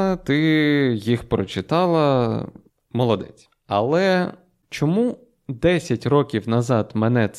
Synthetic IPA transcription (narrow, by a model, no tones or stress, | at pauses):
t̪ɪjixpɾɔt͡ʃɪt̪ɑlˠɐ | mɔlˠɔd̪ɛ̰t͡sʲ | ɐlˠɛ | t͡ʃɔmu | d̪ɛsʲɐtʲrɔkʲiwnɐzɑd̪menɛt̪